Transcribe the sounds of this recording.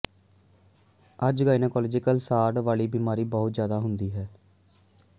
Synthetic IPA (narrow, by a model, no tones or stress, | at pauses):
əd͡ʒɡaːinəkɔːled͡ʒɪkəlsaːɾɖʋaːɭiːbiːmaːɾiːbəːʊt̪zjaːd̪aːɦʊnd̪iːɦɛː